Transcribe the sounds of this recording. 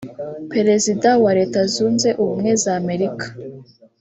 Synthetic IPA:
pe̞ɾe̞zidawaɾe̞ːtazuːnze̞ʔuβumŋezame̞ɾikḁ

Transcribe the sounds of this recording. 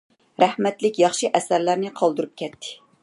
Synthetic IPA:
ɾæhmɛt̪lɪkʲjɑχʃiʔɛsæɾlæɾnɪqʰɑlˠd̪uɾup̚kʲʰɛt̪ʰːɪ̥

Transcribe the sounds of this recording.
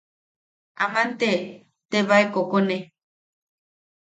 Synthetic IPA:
amãnt̪e | t̪eβaekokone

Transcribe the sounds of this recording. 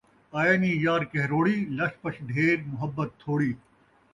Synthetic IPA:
aːjɐːniːjaːɾkeɦɾoːɽiːlɐʂpɐɕʰɖʱeːɾmʊɦɐbːɐt̪ʰːoːɽiː

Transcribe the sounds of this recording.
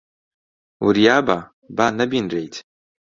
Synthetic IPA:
ṵɾijaːba | baːnɐbinrejt̪ʰ

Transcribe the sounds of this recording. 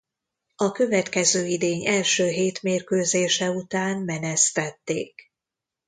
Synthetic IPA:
ɒkø̞vɛt̪kɛzøːid̪eːɲɛlʃøːɦeːt̪meːrkøːzeːʃɛut̪aːnmɛnɛst̪ɛt̪ːḛːk

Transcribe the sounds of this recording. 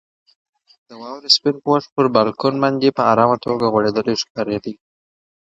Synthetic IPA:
d̪̥əwɑwɾəspɪnpəwax̚pəɾbɑlkonmand͡ʒepəaɾɑmat̪oɡaɣwaɽed̪əleʃkɑɾed̪i

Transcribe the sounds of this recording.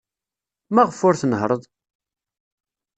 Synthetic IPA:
mæʁəfʊɾθnəɦɾˤəðˤ

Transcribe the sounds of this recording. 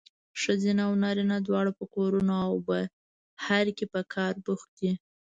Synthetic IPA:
ʂəzinawnɑɾinad̪wɑɽapəkoɾunoawbə | haɾkepəkʰɑɾbuxd̪i

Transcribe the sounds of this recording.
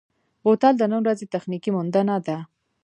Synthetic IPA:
ɣot̪ɑld̪ənəwɾazet̪axnikimʊnd̪anad̪a

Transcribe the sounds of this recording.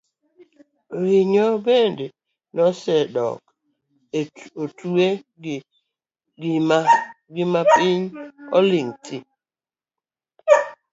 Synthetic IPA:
ɾiɲɔbende | nɔsɛdɔ̰k | otue | ɡmɡɪmapɪɲɔ̰liŋtɪ̰

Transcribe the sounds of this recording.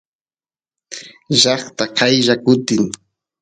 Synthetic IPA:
ʒɑχt̪aqʰajʒakʊt̪ɪŋ

